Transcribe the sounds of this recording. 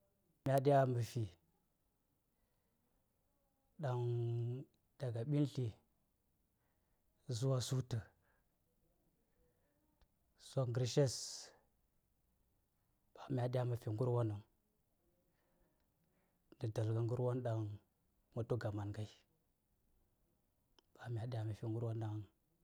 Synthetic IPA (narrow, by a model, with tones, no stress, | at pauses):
mʲa˨ɗi˦ja˦mə˨fi˨ | ɗa˦ŋ | da˨ɡa˨ɓi˦nɬi˨ | zu˦wa˦su˦tə˨ | so˨kŋɡɾi˨ʃe˦s | ɓa˨mʲ˨a˨ɗja˦ma˨fi˨ŋɡu˦ɾwo˦nə˨ŋ | ndə˨da˨lɡa˨ŋɡu˦ɾwo˦nɗa˦ŋ | ma˨to˦ɡa˨ma˨nɡa˦i˦ | ɓ̥a˨mʲ˨a˨ɗja˦ma˨fi˨ŋɡu˦ɾwo˦nɗa˦ŋ